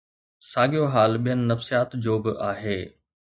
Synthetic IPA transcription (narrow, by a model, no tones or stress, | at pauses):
saːɡijoɦaːlɓijənɪ̆nɐfsijaːt̪d͡ʑoːbɪʔaːɦeː